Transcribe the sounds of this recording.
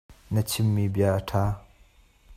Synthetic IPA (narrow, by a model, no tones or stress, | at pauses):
nɐt͡ɕʰimːibjatʰa